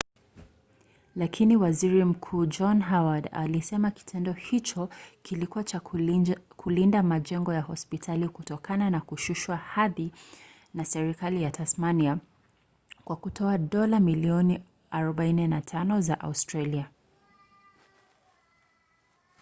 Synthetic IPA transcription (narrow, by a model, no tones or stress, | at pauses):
lakʰiniwaziɾim̩kʰuːd͡ʒɔnɦawada̰lisɛmaki̥tʰɛndɔhit͡ʃɔkilikuat͡ʃa | kʰulindamad͡ʒɛŋɡɔjahɔspitʰalikutɔkananakuʃuʃwahaði | nasɛɾikalijatʰasmania | kwakutʰɔaɗɔlamiliɔni | aɾɔɓainɛnatʰanɔzaʔa̰ustɾalia